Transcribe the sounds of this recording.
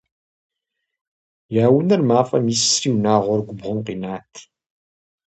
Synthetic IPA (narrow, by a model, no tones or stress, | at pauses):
jaːwənəɾmaːfa̰mjisːɾiwnaːʁʊɾɡʷʊbʁəmqinaːt̪